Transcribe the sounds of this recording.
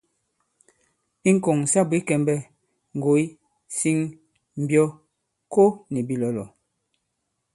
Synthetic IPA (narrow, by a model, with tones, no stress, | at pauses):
i˦ŋ̩˦ko˨ŋ˨sa˦bwi˨˦kɛ˨mbɛ˦ | ŋ̩˨ɡo˨˦j | si˦ŋ | m̩˨bjɔ˦ | ko˦ni˨bi˦lɔ˨lɔ˨